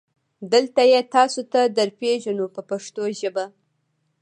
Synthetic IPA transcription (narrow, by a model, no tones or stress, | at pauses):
d̪əlt̪ajet̪ɑsot̪ad̪əɾpeʒanopəpaʂt̪oʒəba